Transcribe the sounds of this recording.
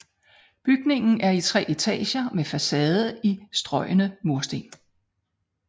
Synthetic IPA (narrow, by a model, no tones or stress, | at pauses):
b̥yɡ̥ne̝ŋn̩æɐit͡sʰʁɛ̰ːet͡sʰɛ̰ːɕɐmefæsɛːð̞ˠəisd̥ʁɒ̽ɪ̰ənəmo̝ɐsd̥ḛn